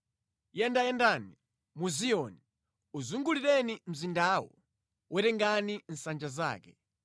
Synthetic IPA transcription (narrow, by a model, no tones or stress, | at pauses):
jɛndajɛndani | muzijɔni | uzuŋɡuliɾɛnim̩zindaːwɔ̰ | wʔɛɾɛŋɡanin̩sand͡ʒaza̰ːkɛ